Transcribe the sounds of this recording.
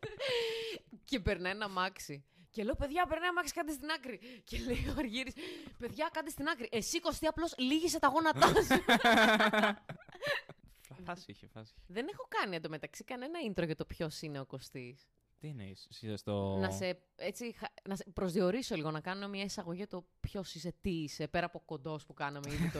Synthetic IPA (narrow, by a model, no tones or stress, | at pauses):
ce̞pe̞ɾnɐjnɐmɐksicelope̞ðʝɐpeɾnɐjnɐmɐksi̥kɐt̪ist̪inɐkɾicelejoɐɾʝiɾispe̞ðʝɐkɐt̪ist̪inɐkɾiʔe̞siko̞st̪iɐplo̞sliʝise̞t̪ɐɣo̞nɐt̪ɐs | fɐsiçefɐ̰siðe̞nexo̞kɐniend̪omet̪ɐksikɐne̞nɐind̪ɾo̞ʝɐt̪o̞pço̞sine̞o̞ko̞st̪is | t̪iineissizest̪onɐse̞ | et͡sixɐnɐsepɾo̞zðio̞ɾiso̞liɣo̞nɐkɐnunemɲɐisɐɣo̞ʝijɐt̪o̞pço̞sis̬e̞t̪iise̞peɾɐːpo̞ko̞nd̪o̞spukɐnɐmeiðit̪o